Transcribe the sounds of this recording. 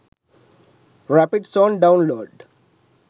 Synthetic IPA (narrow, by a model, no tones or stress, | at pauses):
ɾæpɪɖsɔ̃ːnɖãʊ̃nloːɖ